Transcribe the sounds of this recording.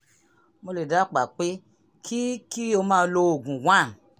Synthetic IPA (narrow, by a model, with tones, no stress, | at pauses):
mo˧le˨da˨˦k͡pa˨k͡pe˦ | kʰi˦ki˦o˧mãː˦˧˦lo˧o˨ɡũ˨wã˦˨